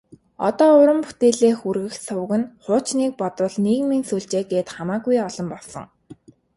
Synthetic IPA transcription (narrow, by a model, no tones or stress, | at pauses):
ɔ̰t̪ɔːʊɾə̆mpu̥t̪eːɮeːxurɣɘ̆xsʊwɣɘ̆nχʊːt͡ɕniːk̚pɔt̪wə̆ɮniːɣmiːnsuːɮt͡ɕeːɡeːt̪χamaːɡujɔɮ̥ɞ̆mpɔɮsɞ̰̆ŋ